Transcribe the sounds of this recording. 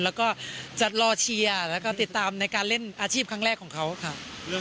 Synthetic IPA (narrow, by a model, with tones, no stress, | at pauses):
lɛː˦˥wkɔː˥˩t͡ɕa˨˩t̪̚lɔː˧t͡ɕʰi˧ɐlɛː˦˥wkɔː˥˩t̪i˨˩t̪ːaː˧mna˧jkaː˧nle˥˩nʔaː˧t͡ɕʰiː˥˩p̚kʰa˦˥ŋɾɛː˥˩kʰːɔː˩˦kʰa˦˥wkʰa˥˩ʔ